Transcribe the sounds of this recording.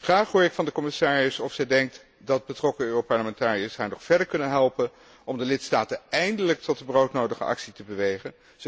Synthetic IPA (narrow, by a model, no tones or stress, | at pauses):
χraːχɦʊːɹɪkfɑndəkɔmɪsaːrəsɔfsɛjdɛŋk̚t | dɑd̚bətrɔkəøːropɑɹləmɛntaːriəsɦaːɹnɔχfɛɹdəɹkɵnənɦɛlˠpən | ɔmdəlɪtstaːtənɛjndələk̚tɔtəbrowtnowdəχə̰ʔɑ̰ksitəbəʋejχən